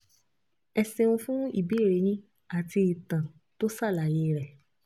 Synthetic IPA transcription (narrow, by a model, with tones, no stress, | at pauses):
ɛ˧se˧ũ˧fũ˦ḭ˦˨bi˨˦e˦˨ɾe˨˦jĩ˦ | a˦˨ti˧i˨tã˨ | to˦sa˦˨la˨je˨˧ɾɛ˨